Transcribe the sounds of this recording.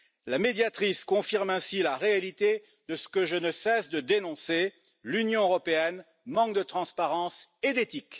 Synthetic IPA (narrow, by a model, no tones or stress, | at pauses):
lamed̪jat̪χiskɔ̃fiʁmɛ̃silaʁealit̪e | d̪əsə̥kəʒənəsɛsd̪əd̪enɔ̃se | lynjɔ̃øʁɔpeɛn | mɑ̃k̚d̪ət̪χɑ̃spaʁɑ̃sed̪et̪ik